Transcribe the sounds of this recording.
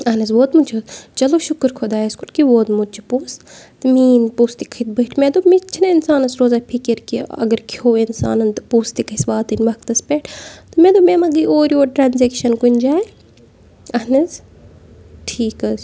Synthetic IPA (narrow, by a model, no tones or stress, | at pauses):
ɐɦnɐzʋoːt̪mut͡ʃʰot͡ʃɐloːʃʊkəɾkʰod̪aːɐskuʈkiʋoːt̪mud̪̚t͡ʃʰi̥puːst̪miːnpuːst̪ikʰit̪̚bɐːʈʰmẽd̪omit͡ʃʰinɐinsaːnɐsɾoːzaːpʰikiɾkiɐ̰ɡəɾkʰoːinsa̰ːnɐnt̪puːst̪ikisʋaːt̪ɨnʲʋɐk̚t̪ɐspʲeːʈʰt̪ɨmẽd̪omeːmɐɡioːɾioːʈɾaːnzekʃɐnkunʲd͡ʒaːe | ɐnɐz | ʈʰiːkɐz